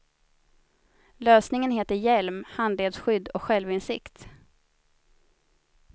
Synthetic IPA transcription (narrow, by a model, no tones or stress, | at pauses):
løːsnɪŋənheːt̪əɾjɛlmhand̪leːd̪sɧʏd̪ːɔkɧɛlvɪnsɪkt̪